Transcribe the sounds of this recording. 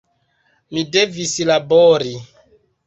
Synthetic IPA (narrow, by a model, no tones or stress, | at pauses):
midevislaboɾi